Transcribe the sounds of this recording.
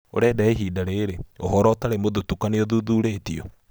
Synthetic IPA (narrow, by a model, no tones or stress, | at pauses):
o̰ɾɛdaeɦiːdaɾeɾeoɦɔɾɔtaɾemoðotukaneɔðuːðuːɾeːtiɔ